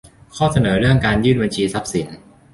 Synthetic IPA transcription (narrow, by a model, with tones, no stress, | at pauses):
kʰɔː˥˩sa˧nɤː˩˦ɾɯ˥˩əŋkaː˧njɯː˥˩nba˧nt͡ɕʰiː˧sa˦˥p̚si˩˦n